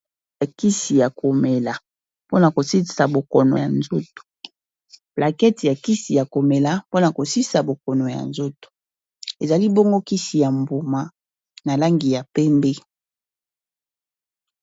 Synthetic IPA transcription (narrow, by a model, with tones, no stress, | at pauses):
a˨ki˦si˨ja˨ko˨mɛ˨la˨ | po˦na˨ko˨si˦sa˨bo˨kɔ˨no̰˨ja˨nzo˦to̥˨ | pla˨kɛ˦ti˨ja˨ki˦si˨ja˨ko˨me˨la˨po˦na˨ko˨si˦sa˨bo˨kɔ˨no˨ja̰˨nzo˦to̥˨ | e˨za˨li˦bɔ˦ŋɡo˦ki˦si˨ja˨mbu˨ma˨ | na˨la˦ŋɡi˨ja˨pɛ˦mbe˦